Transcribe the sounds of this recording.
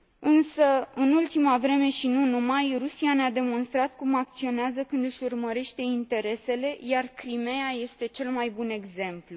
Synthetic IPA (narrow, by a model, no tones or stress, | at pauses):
ɨnsəɨnult̪imavɾe̞me̞ʃinunumajrusianead̪e̞mo̞nst̪ɾat̪kumak̚t̪sio̞neazəkɨnd̪ɨʃurməɾe̞ʃt̪e̞int̪e̞ɾe̞se̞le̞jarkɾime̞jaje̞st̪e̞t͡ʃe̞lmajbune̞ɡze̞mplu